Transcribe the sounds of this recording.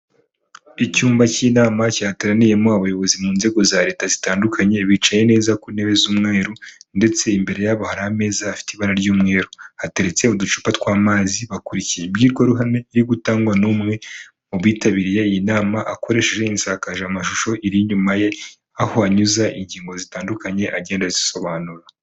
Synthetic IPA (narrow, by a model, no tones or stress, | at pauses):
icuːmbaciːnaːmacateɾanije̞moaβajo̞βo̞zimuːnze̞ɡo̞zaɾe̞ːtazitaːndukʰaɲe̞βit͡ʃaje̞ne̞ːzakuineβe̞zumŋeːɾunde̞t͡se̞imbe̞ɾe̞jaβohaɾahame̞ːzaːfi̥teiβaɾaɾɟuːmŋe̞ːɾohate̞ɾe̞t͡se̞udut͡ʃu̥patkwaːmaːziβakuɾicijeibɟiːɾɡaɾuɦame̞iɾiɡutaːŋɡwanumŋe̞ | muβwiːtaβiɾije̞ijinaːmaʔako̞ɾe̞ːʃe̞ʒe̞insaːkaʒeamaʃuʃo̞ʔiɾiɲumaje̞ | ahoaɲuzaʔiɲɟiːŋɡo̞zitaːndukaɲe̞ʔaɟeːndaziso̞βaːnuɾa